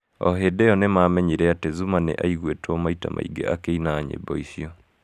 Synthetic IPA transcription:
ɔ̰ɦedɛɔnemaːmɛɲiɾɛatezumanḛʔaiɣwetɔmaita̰mʔa̰ḭɡeʔakeinaːɲḛbɔiʃiɔ

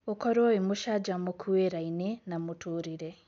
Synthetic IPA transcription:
okɔɾoimuʃad͡ʒamukʰueɾainenamutʰuɾiɾe

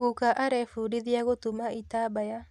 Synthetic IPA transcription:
ukaʔaɾɛfuɾiðiaɣotumaitabaja

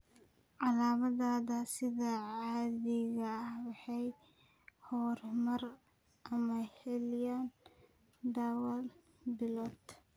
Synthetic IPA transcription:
ʕɑlaːmɐðaːðɐsɪðɐʕaːðɪɣɐːhwɑħɑj | hɔːrmɐr | ʔɐmɐhɛljan | d̪awɐl | bɪlɔt̪

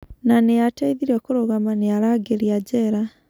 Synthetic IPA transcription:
nanejataiðiɾɔkoɾoɣamaneaɾaɡeɾiad͡ʒɛɾa

